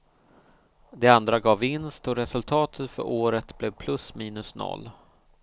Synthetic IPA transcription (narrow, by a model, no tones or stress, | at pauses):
d̪ɛand̪ɾaɡɑːvɪnst̪ɔɾɛsɵlt̪ʰɑːt̪ʰət̪fœ̰ɾʔoːɾət̪blɛvpʰlɵsmiːnɵsnɔ̰lː